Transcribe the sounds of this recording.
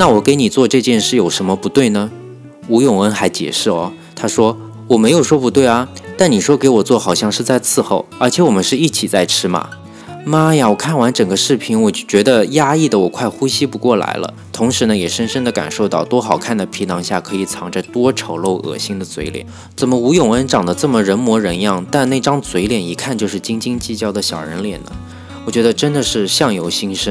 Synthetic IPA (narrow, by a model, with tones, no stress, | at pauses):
na˥˩wɔ˨˩ke˧˥ɪni˨˩t͡swɔ˥˧ʈ͡ʂɤ˥˧t͡ɕjɛ˥˧nʂɻ̩˥˩jo˨˩ʊʂə˧˥nmə˧pu˧˥t̪we˥˩ɪnə˩ | u˧˥jʊ˨˩ŋwə˧˥nxa˧˥ɪt͡ɕjɛ̰˨˩ʂɻ̩˥˩ɔ˧˩ | t̪ʰa˥ʂwɔ˥ | wɔ˨˩me˧˥ɪjo˨˩ʊʂwɔ˥pu˧˥t̪we˥˩ɪɐ˩t̪a˥˩nni˨˩ʂwɔ˥ke˧˥ɪwɔ˨˩t͡swɔ˥˩xɑ˨˩ʊɕjɑ˥˧ŋʂɻ̩˥˧t͡sa˥˧ɪt͡sʰɹ̩˥˧xo˥˩ʊə˞˧˥t͡ɕʰjɛ˧˥wɔ˨˩mə˦nʂɻ̩˥˧i˥˩t͡ɕʰi˨˩t͡sa˥˩ɪʈ͡ʂʰɻ̩˥mɐ̰˨˩ | ma˥ja˨˩wɔ˨˩kʰa˥˩nwa˧˥nʈ͡ʂə˨˩ŋɡə˦ʂɻ̩˥˩pʰi˧˥nwɔ˨˩˥t͡ɕɥɛ˧˥d̪ə˧ja˥i˥˩d̪ə˩wɔ˨˩kʰwa˥˩ɪxu˥ɕi˥pu˧˥kwɔ˥˩la̰˧˥ɪlə̰˧t̪ʰʊ˧˥ŋʂɻ̩˧˥nə˧jɛ˨˩ʂə˥nʂə˥nd̪ə˨ka̰˨˩nʂo˥˧ʊt̪ɑ˥˩ʊt̪wɔ˥xɑ˨˩ʊkʰa˥˩nd̪ə˨˩pʰi˧˥nʰɑ˧˥ŋɕja̰˥˩kʰɤ˧˥i˨˩t͡sʰɑ˧˥ŋʈ͡ʂa˥˩ɪt̪wɔ˥ʈ͡ʂʰo˧˥ʊlo˥˩ʊʔɤ̰˨˩ɕi˥ŋd̪ə˨t͡swe˧˥ɪljɛ̰˨˩˦ | t͡sə˨˩nmə˦u˧˥jʊ˨˩ŋə˥nʈ͡ʂɑ˨˩ŋd̪ə˦ʈ͡ʂɤ˥˩mə˩ɻə˧˥nmwɔ˧˥ɻə˧˥njɑ˥˩ŋt̪a˥˧nne˥˩ɪʈ͡ʂɑ˥ŋt͡swe˧˥ɪljɛ˨˩ni˧˥kʰa˥˧nt͡ɕjo˥˧ʊʂɻ̩˥˩t͡ɕi˥ŋt͡ɕi˥ŋt͡ɕi˥˩t͡ɕjɑ˥˩ʊd̪ə˨ɕjɑ˨˩ʊɻə̰˧˥nljɛ̰˨˩nnə̰˦ | wɔ˨˩t͡ɕɥɛ˧˥d̪ə˧ʈ͡ʂə˥nd̪ə˨ʂɻ̩˥˧ɕjɑ˥˩ŋjo˧˥ʊɕi˥ŋʂə˥n